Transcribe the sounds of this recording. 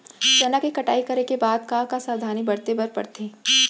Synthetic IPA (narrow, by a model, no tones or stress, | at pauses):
d͡ʒɐnakikɐʈaːikɐɾekebaːd̪̚kakasaːd̪ʱaːnibɐɽt̪ebɐɾpɐ̰ɽt̪ʰĩː